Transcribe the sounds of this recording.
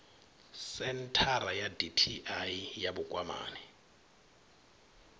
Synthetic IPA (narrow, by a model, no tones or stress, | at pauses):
sɛntʰaɾajaditʰiʔaijabʊkʼwama̰ːnɛ